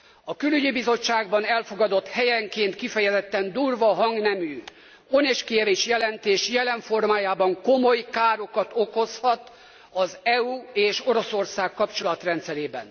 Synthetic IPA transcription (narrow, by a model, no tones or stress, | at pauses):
ɒkylyɟibizo̞t͡ʃːaːɡbɒnɛlfo̞ɡɒd̪o̞t̪hɛjɛŋkeːnt̪kifɛjɛzɛt̪ːɛnd̪uːrvɒɦɒŋɡnɛmyː | o̞neːʃkiɛveːʃjɛlɛnt̪eːʃjɛlɛɱfo̞rmaːjaːbɒŋko̞mojkaːɾo̞kɒt̪o̞ko̞shɒt̪ | ɒzɛuːeːʃo̞ɾo̞so̞rsaːkːɒpt͡ʃo̞lɒt̪rɛnt̪sɛɾeːbɛ̰n